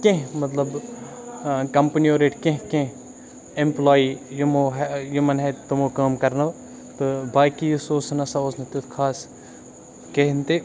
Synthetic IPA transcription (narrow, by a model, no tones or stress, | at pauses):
kẽɦmɐt̪lɐb | kɐmpnioːɾeːʈkẽɦkẽ | ɪmplaːijumoɦjumɐnɦet̪t̪omokaːmkɐɾnɐʋ | t̪obaːkijsoːsnɐsaosnɐt̪et̪kʰaːs | keɦnt̪e